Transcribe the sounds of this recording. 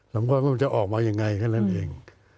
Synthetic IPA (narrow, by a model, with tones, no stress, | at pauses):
sa˨˦mkʰaː˧˥˩a˧˩˧nt͡ɕa˨˩ʔɔː˨˩k̚maː˧ja˧ŋːa˧jkʰaː˥˩nːa˥˩nʔeː˧ŋ